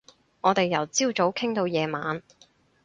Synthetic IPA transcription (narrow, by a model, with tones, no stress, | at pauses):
ŋɔː˨˧t̪e˨jːɐ˨˩wt͡siː˥wt͡so˨˥wkʰɪ˥ŋt̪o˧wjɛː˨˧maː˨˧n